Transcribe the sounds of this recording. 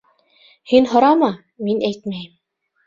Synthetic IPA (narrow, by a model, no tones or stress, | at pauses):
hinɦŏɾɑmɑ | minæjt̪mæjm